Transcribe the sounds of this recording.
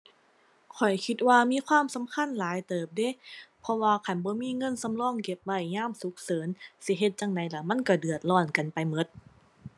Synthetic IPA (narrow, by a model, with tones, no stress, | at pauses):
kʰɔ˨˩jkʰi˧˦t̪̚waː˧miː˧˥˨kʰwaː˧˥˨msa˨˦mkʰa˧˥˨nlaː˨˦jt̪ɤː˨˩p̚de˧˥˨pʰɔ˧waː˧kʰa˧˦˩nbɔː˧˦miː˧˥˨ŋɤ˧˥˨nsa˧˥mlɔː˧˥˨ŋke˧˩p̚wa˧˩jɲaː˧˥˨msu˨˦k̚sɤː˨˦nsi˧˦ɦe˧˦t̪̚t͡ɕa˧˩ŋna˨˦jla˧˥ma˧˥˨nkɔ˧˩dɯ˨˩ət̪̚lɔː˧˩nka˨npa˨jmɤ˧˦t̪̚